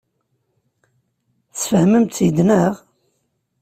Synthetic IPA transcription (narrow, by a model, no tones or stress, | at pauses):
θfəhməmt̪ːjəd̪næʁ